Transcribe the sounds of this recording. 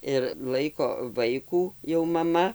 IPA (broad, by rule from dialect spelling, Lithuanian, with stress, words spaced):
ɪr ˈlˠɐɪkoː ˈʋɐɪkuː jɛʊ mɐˈmɐ